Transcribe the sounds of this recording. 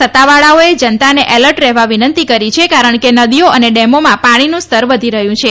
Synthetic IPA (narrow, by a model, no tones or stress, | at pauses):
sət̪ːaʋaɭaoed͡ʒənt̪aneʔɛləɾʈɾɛɦʋaʋinənt̪ikəɾit͡ʃʰekaɾəɳkenəd̪ijoəneɖɛmomãpaɽ̃inũst̪ʰəɾʋəd̪ʱiɾəɦjũt͡ʃʰe